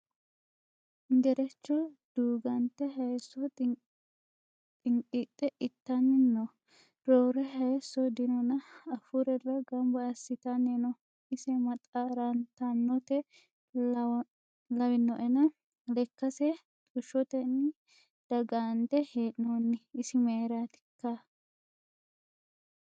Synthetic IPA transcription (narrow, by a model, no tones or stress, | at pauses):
nd̪ɛɾɛt͡ʃːɔd̪̥uːɡɐnt̪ːɛɦɐjsːɔ | t̪ʼɪŋkʼit̪ʼːɛʔɪt̪ːɐnːɪnːɔ | ɾoːɾɛɦɐjsɔd̪ɪnɔnɐɐfʊɾɛrɐɡɐmbɐɐsːɪt̪ɐnːɛnɔ | ɪsɛmɐt̪ʼaːɾant̪anːɔt̪ɛ | lɐwɪnːɔʔɛnɐ | lɛkːɐsɛ | t̪ʼʊʃːɔt̪ɛnːɪ | d̪̥ɐɡaːnd̪ɛheːʔnːonːɪɪsɪmeːɾaːt̪ɪ̥kːa